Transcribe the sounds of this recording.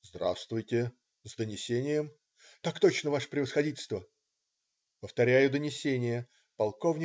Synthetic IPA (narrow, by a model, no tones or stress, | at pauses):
zd̪ɾa̰st̪vʊjtʲɪ | zd̪ənʲɪsʲenʲɪjəm | t̪akt̪o̞t͡ɕnəvaʂə̥pɾʲɪvəsxɐdʲitʲɪlʲst̪və | pəft̪ɐɾʲæjʊd̪ənʲɪsʲenʲɪjə | pɐlˠko̞vnʲɪ